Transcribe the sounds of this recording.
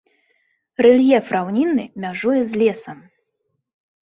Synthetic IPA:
rɛlʲjɛfɾawnʲinːɨmʲaʐujɛzʲlʲɛsɐm

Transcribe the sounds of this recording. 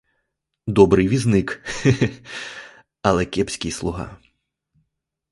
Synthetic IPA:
d̪ɔbɾɨjʋʲiznɪk | ɐlˠɛkʲɛpsʲkʲijslˠʊɦɑ̰

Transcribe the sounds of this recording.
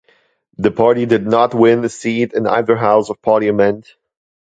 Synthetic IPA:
ðɨpʰɑɹɾidɨdⁿnət̚wɪ̃nðɨsiɾɨ̃na̰ɪðə˞ɦaʊsʌv̥pʰɑɹɾiɨmɛ̃nd̥

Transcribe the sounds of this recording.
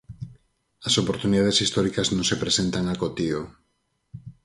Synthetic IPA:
ɐsopoɾt̪uniðaðesist̪ɔɾikɐznõŋsepɾesent̪aŋakot̪io

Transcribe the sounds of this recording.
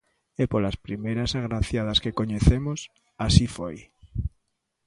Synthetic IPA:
epolaspɾimejɾasaɣɾaθjað̞askekoɲeθemos | asifoj

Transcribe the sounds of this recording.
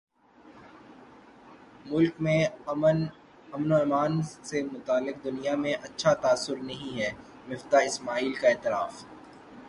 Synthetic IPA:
mʊlkmẽ | ɐmnoɛːmaːnsemʊt̪aːlːɪq̚d̪ʊnijamẽʔɐtːʃʰat̪aːsːʊɾnɐɦĩɦɛː | mɪft̪aɪsmaːiːlkaeːt̪ɪɾaːf

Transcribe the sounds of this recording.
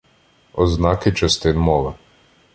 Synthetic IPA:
ɔznɑkɪt͡ʃɐst̪ɪnmɔʋɐ

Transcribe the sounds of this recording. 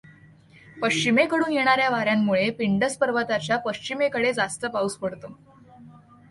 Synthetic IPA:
pəkt͡ɕimekəɽuːnjeɽ̃aɾjaʋaɾjamːuɭepiɳɖəspəɾʋət̪at͡ɕjapəɕt͡ɕimekəɽed͡zast̪əpauspəɽt̪o

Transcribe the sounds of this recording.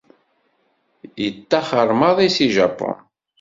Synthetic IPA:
jət̪ːɑχəɾˤmɑðˤisiʒɑpːʊ̰n

